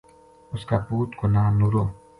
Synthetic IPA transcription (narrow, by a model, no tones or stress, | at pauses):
ɔskaput̪konanuɾo